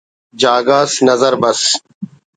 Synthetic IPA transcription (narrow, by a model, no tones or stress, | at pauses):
d͡ʒaːɡaːsnɐzəɾbɐs